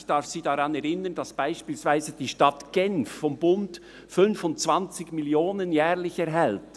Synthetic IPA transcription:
çd̥ɑɾfsiːdɑʁɑnɛɾɪnənd̥ɑsb̥aɪʃpiːlsvaɪzəd̥iːʃtɑtɡ̥ɛnffɔmbʊnt | fʏnfʊntt͡sv̥ɑnt͡sɪɡmiljoːnənjɛːʁlɪçɛɾɦɛlt

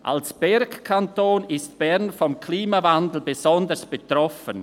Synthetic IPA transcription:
ʔa̰lsb̥ɛɾkkʰantoːnɪstb̥ɛʁnfɔmkʰliːmavandl̩bezɔndəsb̥etʁɔfən

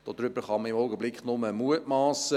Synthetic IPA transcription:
d̥od̪ɾʏbəɾχɑməɪmɔʊɡəblɪkχnʊməmuətmɑːsə

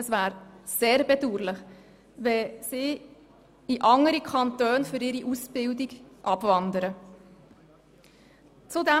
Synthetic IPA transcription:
əsvæːɾseːɾbɛduːɾlɪχ | ʋɛsiː | iʔɑŋəɾikʰɑntøːnfʏɾɪɾiʔusb̥ɪldiɡ̥ʔɑbvɑndəɾə | t͡sudɛ

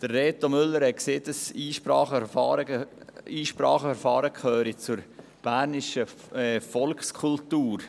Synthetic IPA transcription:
d̥ərːeːt̪omʏlːəɾhɛkseːtəsiːʃpɾɑːχəɑːɾə | iːʃpɾɑ̰ːχəɛɾfɑːɾəkʰhøːɾit͡sʊɾ | b̥æːɾnɪʃə | fɔlkχskʰultuːɾ

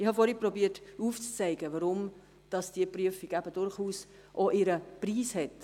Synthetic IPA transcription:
ɪhɑfɔɾhiprɔbiːətuːft͡st͡sɛɪɡəʋɑɾʊm | d̥ɑsd̥iəpryəfiɡ̥æbəd̥ʊɾχuːs | ʔoʔɪɾəpriːshɛt

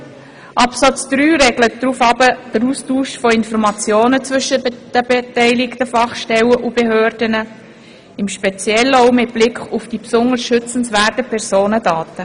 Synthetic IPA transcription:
ʔɑpsɑt͡sd̥ɾyːɾɛɡlət̚d̥ɾuːfɑbəd̥əɾuːstuːʃfoɪnfɔɾmɑt͡sjoːnət͡sʋvʏʃəd̥əbetɛɪlɪktəfɑχʃtɛləʔubeɦøːɾd̥ənə | ɪmʃpet͡sjɛləoʊmɪt̚b̥lɪkχufd̥ipsʊnəsʃʏt͡sən̩svæːrtəpʰɛrsoːnədɑːtə

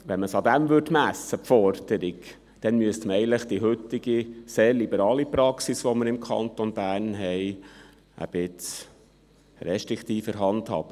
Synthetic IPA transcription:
ʋɛnməsɑd̪æmʋʏɾdmæsəpfɔɾd̪̥əɾɪk | d̪̥ɛnmyəst̪məɛɪnləχd̥̪iɦɵt̪ːɪɡiseːɾlibəɾɑːlipɾɑksisʋɔməɾɪmkʰɑ̰nt̪onbæːɾnɦɛɪ | ə̰b̥ɪt͡s | ɾɛʃtɾɪkʰt̪iːfəɾɦɑnt̪hɑ̰ːb̥ə

